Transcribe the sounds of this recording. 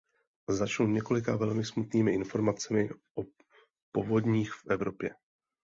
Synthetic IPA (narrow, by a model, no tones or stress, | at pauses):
zat͡ʃnuɲɛko̞lɪkavɛlmɪsmut̪niːmɪʔɪnfo̞ɾmat͡sɛmɪʔo | po̞vo̞d̪ɲiːxfʔɛvɾo̞pjɛ